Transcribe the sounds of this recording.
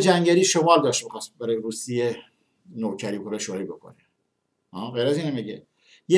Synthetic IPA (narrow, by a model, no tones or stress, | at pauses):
d͡ʒæŋɡæɾiːʃomɑːld̪ɑːʃt̪bexɑːst̪̚bæɾɔjɾusije | noːkʰæɾikʰoɾeʃoɾibekʰo̰ne | hɑːɣejɾæziːnæmeɡe | je